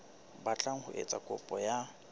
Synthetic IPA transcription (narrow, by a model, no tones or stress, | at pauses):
bat͡ɬʼaŋ̩hʊ̰ʔḛt͡sʼakʼʊpʼɔja